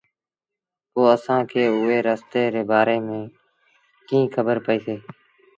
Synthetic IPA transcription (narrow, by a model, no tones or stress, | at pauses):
poːəsãːkʰeːʊeːɾaːst̪eːɾeːbaːɾeːmẽː | kĩːkʰəbəɾpəiːseː